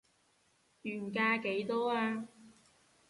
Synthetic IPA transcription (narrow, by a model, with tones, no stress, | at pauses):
jyː˨˩nk̬aː˧ke˨˥jt̪ɔː˥aː˧